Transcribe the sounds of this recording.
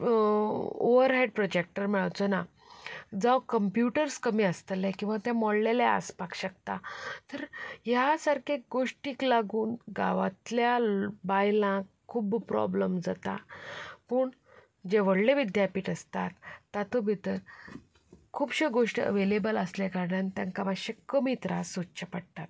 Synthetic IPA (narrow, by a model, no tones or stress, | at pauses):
oʋəɾɦajɖ̚pɾɔd͡ʑek̚ʈəɾmɛɭət͡sɔna | d͡zawkəmpjuʈəɾskəmiːəst̪əlɛkĩw̃ʋat̪ãmɔɽlɛlɛə̰spakɕək̚t̪at̪əɾɦjasaɾkʰeɡoʂʈiːklaɡuːnɡa̰ʋat̪ljabajlãk | kʰːuːbpɾɔ̰bləmd͡zat̪a̰pəːɳ | d͡ʑeʋəɽleʋid̪japiːʈəst̪at̪ːat̪obʱit̪əɾ | kʰuːbɕeɡoʂʈḭə̰ʋelebələslakaɽant̪jãŋkamaɕekəmit̪ɾasut͡ɕəpəɽt̪at̪̚